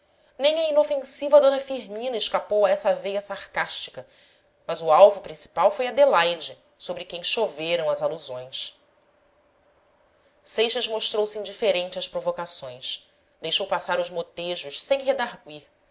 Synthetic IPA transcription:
nẽj̃ɐinofẽsivɐd̪õnɐfiɾmĩnɐɪʃkapowɐɛsɐvejɐsaχkaʃt͡ʃi̥kɐ | mɐzʊawvʊpɾĩsi̥pawfojɐd̪elajd͡ʒɪ | sobɾɪkẽj̃ʃoveɾɐ̃w̃ɐzaluzõj̃s | sejʃɐzmoʃt̪ɾowsĩnd͡ʒifeɾẽnt͡ʃɪɐʃpɾovokasõj̃s | d̪ejʃowpasaɾʊzmot̪eʒʊʃsẽj̃ɦed̪aɾɡwiɾ

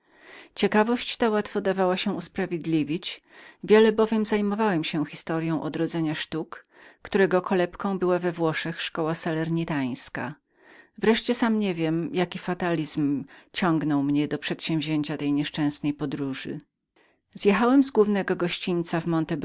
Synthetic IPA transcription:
t͡ɕɛkavɔɕt͡ɕt̪awat̪fɔd̪avawaɕɛuspɾavʲjed̪lʲivʲit͡ɕvʲjɛlɛbɔvʲjɛmzajmɔvawɛmɕɛxʲist̪ɔɾjɔ̃w̃ʔɔd̪ɾɔd̪zɛɲaʂt̪ukː | t̪uɾɛɡɔkʰɔlɛpkɔ̃w̃bɘwavɛvwɔʂɛxʂkɔwasalɛɾɲit̪aj̃ska̰ | vɾɛʂt͡ɕɛsamɲɛvʲjɛmjakʲifat̪alʲizmt͡ɕɔ̃ŋɡnɔwmɲɛd̪ɔpʂɛt̪ɕɛ̃w̃vʲʑeɲt͡ɕat̪ɛjɲɛʂt͡ʂɛ̃w̃snɛjpɔd̪ɾuʐɨ̰ | zjɛxawɛmzɡwuvnɛɡɔɡɔɕt͡ɕint̪savmɔnt̪ɛb

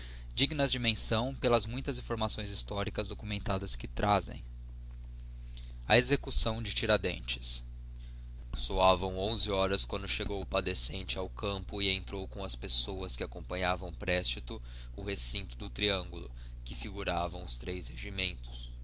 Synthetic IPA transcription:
d͡ʒiɡnɐzd͡ʒɪmẽsɐ̃w̃pelɐzmũj̃t̪ɐzĩfoɾmasõj̃zist̪ɔɾikɐzd̪okumẽnt̪ad̪ɐskɪt̪ɾʔazḛ̃j̃ | ɐezekusɐ̃w̃d͡ʒɪt͡ʃiɾad̪ḛ̃nt͡ʃɪ̥s | soavɐ̃w̃õzɪɔɾɐskwɐ̃nd̪ʊʃeɡowpad̪esẽnt͡ʃɪawkɐ̃mpʊɪẽnt̪ɾowkõw̃ɐspesowɐskɪakõmpɐ̃ɲavɐ̃w̃pɾɛst͡ʃit̪ʊ | ʊhesĩnt̪ʊd̪ʊt̪ɾiɐ̃ŋɡulʊ̰ | kɪfiɡuɾavɐ̃w̃ʊst̪ɾesheʒimẽnt̪ʊ̥s

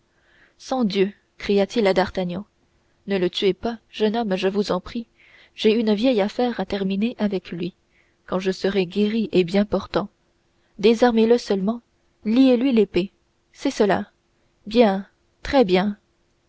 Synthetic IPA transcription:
sɑ̃d̪jø | kχijat̪ʰilad̪aʁt̪anjɑ̃ | nələt̪yepaʒənɔmʒəvuzɑ̃pχi | ʒeynvjɛjafɛːʁat̪ɛʁmineʔavɛklɥi | kɑ̃ʒəsəʁɛɡʲeʁiʔebjɛ̃pɔʁt̪ɑ̃ | d̪ezaʁmeləsəlmɑ̃ | lielɥilepe | sɛsəla̰ | bjɛ̃ | t̪χɛbjɛ̃

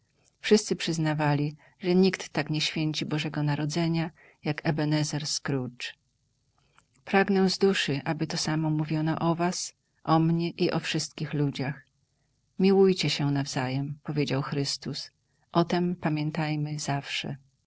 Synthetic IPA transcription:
fʂɘst̪sɘpʂɘznavalʲi | ʐɛɲikt̪ːakɲɛɕfʲjeɲt͡ɕibɔʐɛɡɔnaɾɔd̪zɛɲa | jakɛbɛnɛzɛɾskɾut͡ʂ | pɾaɡnɛ̃zd̪uʂɘʔabɘt̪ɔsamɔmuvʲjɔnɔ̰ʔɔvas | ʔɔmɲɛʔiʔɔfʂɘst̪kʲixlud͡ʑax | mʲiwujt͡ɕɛɕɛnavzajɛmpɔvʲjed͡ʑawxɾɘst̪us | ʔɔt̪ɛmpamʲjɛnt̪ajmɘz̥afʂɛ̰

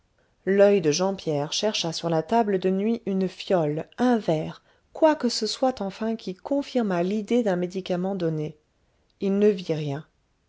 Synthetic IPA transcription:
lœjd̪əʒɑ̃pjɛʁʃɛʁʃasyʁlat̪abləd̪ənɥiʔynfjɔlɛ̃vɛːʁ | kwakəsəswat̪ɑ̃fɛ̃kʲikɔ̃fiʁmalid̪ed̪ɛ̃med̪ikamɑ̃d̪ɔne | ilnəviʁjɛ̃

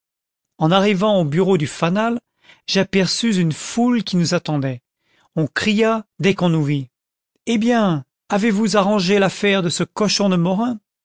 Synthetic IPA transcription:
ɑ̃naʁivɑ̃obyʁod̪yfanal | ʒapɛʁsyzynfulkʲinuzat̪ɑ̃d̪ɛ | ɔ̃kχijad̪ɛkɔ̃nuvi | ebjɛ̃ | avevuzaʁɑ̃ʒelafɛʁd̪əsəkɔʃɔ̃d̪əmɔʁɛ̃

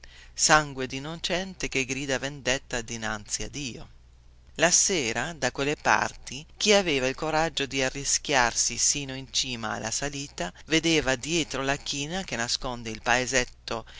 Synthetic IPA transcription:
saŋɡwed̪inot͡ʃɛnt̪ek̟eɡɾiːd̪avend̪et̪ːad̪ina̰nt̪sia̰d̪iːo | laseːɾad̪akwelːepa̰rt̪ik̟iaveːvailkoɾad͡ʒːod̪iarːisk̟ʲjarsisiːnoint͡ʃiːma̰ːlːa̰saliːt̪aved̪eːvad̪jɛːt̪ɾolak̟iːnak̟enːaskond̪eilpaezɛt̪ːo

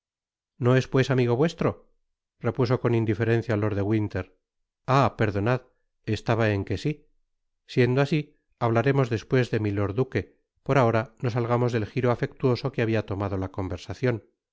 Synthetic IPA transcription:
no̞e̞spwe̞samiɣ̞o̞βwe̞st̪ɾo̞ | re̞puso̞ko̞nind̪ife̞ɾe̞n̟θjaloɾðe̞ɣwint̪e̞ɾ | ape̞ɾðo̞nað | est̪aβae̞ŋke̞si | sje̞nd̪oasi | aβ̞laɾe̞mo̞zðe̞spwe̞zðe̞milo̞ɾðuke̞ | po̞ɾao̞ɾano̞s̬alɣ̞amo̞zðe̞lxiɾoafe̞k̚t̪uo̞so̞keaβiat̪o̞maðo̞lako̞mbe̞ɾsaθjo̞n

